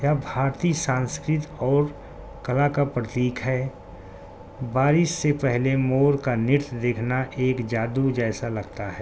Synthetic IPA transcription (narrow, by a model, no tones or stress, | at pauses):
jabʱaːɾt̪isãːnskɾɪt̪ɔːɾ | kɐlakapɾət̪iːkʰɦɛː | baːɾɪsːepɛɦlemoːɾkanɪt̪d̪eːkʰnaʔeːkd͡ʒaːd̪ud͡ʒɛːsalɐɡt̪aɦɛː